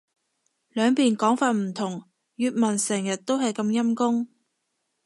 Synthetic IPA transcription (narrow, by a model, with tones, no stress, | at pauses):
lœː˨˧ŋpiː˨˩nkɔː˨˥ŋfaː˧t̚m̩˨˩t̪ʰʊ˨˩ŋ | jyː˨t̚mɐ˨˩nsɛː˨˩ŋjɐ˨t̚t̪o˥wɦɐ˨jkɐ˧mjɐ˥mkʊ˥ŋ